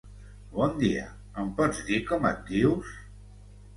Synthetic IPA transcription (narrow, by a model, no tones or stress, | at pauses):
bɔnd̪iə̰ | əmpɔd͡zd̪ikɔmə̰t̪̚d̪iws